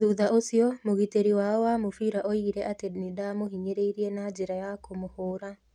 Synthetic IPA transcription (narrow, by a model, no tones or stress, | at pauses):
ðuðaʔosiɔmoɣiteɾiwaɔwamofiɾaʔɔiɾɛʔatenidamohiɲeɾeiɾiɛnad͡ʒeɾajakomohoːɾa